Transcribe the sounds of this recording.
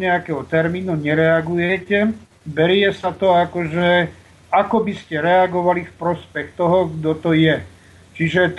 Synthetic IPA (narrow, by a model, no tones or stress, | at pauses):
ɲɛakɛɦɔt̪ɛɾmiːnuɲɛɾɛaɡujɛcɛ | bɛɾɪjɛsat̪ɔakɔʒɛ | akɔbiscɛɾɛaɡɔʋalifpɾɔspɛxt̪ɔɦɔɡd̪ɔt̪ɔjɛ | t͡ʃiʒɛt̪